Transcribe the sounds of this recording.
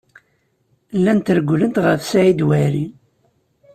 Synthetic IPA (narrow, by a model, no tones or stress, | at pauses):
lːænt̪əɾɡʷlənt̪ʁəfsæʕid̪wæɾi